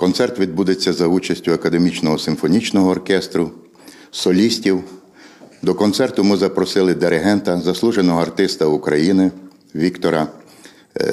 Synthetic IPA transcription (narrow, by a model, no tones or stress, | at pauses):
kɔnsɛrt̪ʋʲid̪̚bud̪et͡sʲːɐzɐut͡ʃɐsʲtʲʊɐkɐd̪emʲit͡ʃnɔɦɔsɪmfɔnʲit͡ʃnɔɦɔːrkɛst̪ɾʊ | sɔlʲisʲtʲiw | d̪ɔkɔnt̪sɛrt̪ʊmɪzɐpɾɔsɪlˠɪd̪eɾɪɦɛnt̪ɐzɐslˠuʒenɔɦɔɐrt̪ɪst̪ɐukɾɐjinɪ | ʋʲikt̪ɔɾɐ